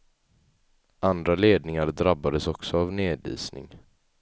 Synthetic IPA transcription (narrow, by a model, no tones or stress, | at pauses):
ʔand̪ɾaleːd̪nɪŋaɾd̪ɾabːad̪əsɔksɔavneːd̪ḭːsnɪ̰ŋ